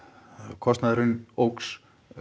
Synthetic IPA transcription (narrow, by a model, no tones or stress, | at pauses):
kʰɔst̪naðɾʏnowks